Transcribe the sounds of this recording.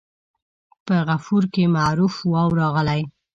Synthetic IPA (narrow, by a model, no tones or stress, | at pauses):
pəɣafuɾkemaɾufwɑwɾɑɣəlaj